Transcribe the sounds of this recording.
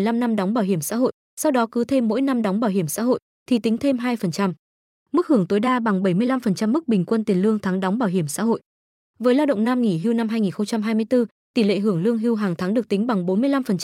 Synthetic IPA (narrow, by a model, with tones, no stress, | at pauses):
jla˧mna˧mɗɔ˨˦ŋ͡mɓaː˧˩wɦi˧˩əmsa̰ː˧˥ɦo̰˧˨j | sa˧wɗɔ˨˦kɨ˨˦t̪ʰe˧mːo̰˧˥jna˧mɗɔ˨˦wŋ͡mɓaː˧˩whi˧˩əmsa̰ː˧˥ɦo̰˧˨j | t̪ʰi˨˩t̪ï˨˦ŋ̟t̪ʰe˧mɦaː˧jfə˨˩nt͡ɕa˧m | mɨ˦˥k̚hɨ˧˩əŋt̪o˨˦jɗaː˧ɓa˨˩ŋɓə˧˩jmɨ˧əjla˧mfə˨˩nt͡ɕa˧mːɨ˦˥k̚ɓï˨˩ŋ̟kwə˧nt̪i˨˩ənlɨ˧əŋt̪ʰaː˨˦ŋɗɔ˨˦wŋ͡mɓaː˧˩wɦi˧˩əmsa̰ː˧˥ɦo̰˧˨j | vəː˨˦jlaː˧wɗə̰˧˨ŋ͡mnaː˧mŋi˧˩ɦi˧wna˧mhɦaː˧jŋi˨˩nxə˧wŋ͡mt͡ɕa˧mɦaː˧jmɨ˧əjt̪ɨ˧ | t̪i˧˩lḛ˧˨ɦɨ˧˩əŋlɨ˧əŋɦi˧wɦaː˨˩ŋt̪ʰaː˨˦ŋɗɨ˨˩k̚t̪i˨˦ŋ̟ɓa˨˩ŋɓo˨˦nmɨ˧əjla˧mfə˨˩nt͡ɕ